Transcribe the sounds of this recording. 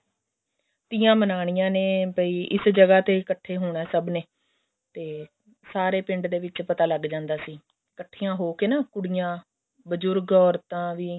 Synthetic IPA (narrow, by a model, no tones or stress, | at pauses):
t̪iːãːmənaːɽ̃ɪjãːneːpəiːʔɪsd͡ʒəɡaːt̪eːkəʈʰːeːɦʊːɽɛːsəbneː | t̪eː | saːɾeːpɪ̃ɳɖd̪eːʋɪt͡ʃpət̪aːləɡd͡ʒãːnd̪aːsiː | kəʈʰːiːãːɦoːkeːnaːkʊɽijãː | bəd͡ʒʊɾɡɔːɾt̪ãːʋiː